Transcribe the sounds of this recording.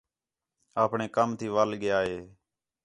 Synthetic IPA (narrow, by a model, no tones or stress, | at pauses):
aːpɳeːkəmt̪ʰiːʋalɠɪjaːɦeː